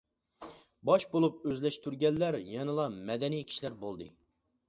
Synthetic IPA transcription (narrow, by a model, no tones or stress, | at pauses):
bɑʃbolˠup̚øzlɛʃt̪ʰyɾɡʲɛnːæɾjɛnɨlˠɑmɛd̪ɛnijkʲʰi̥ʃilæɾbolˠd̪ɨ̰